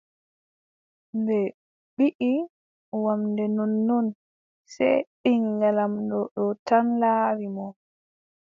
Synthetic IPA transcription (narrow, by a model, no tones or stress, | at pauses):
mbɛ | ɓiʔi | wamdɛnɔnːɔn | sɛ̰ɗiŋɡalamdɔɗɔtanlaːɾimɔ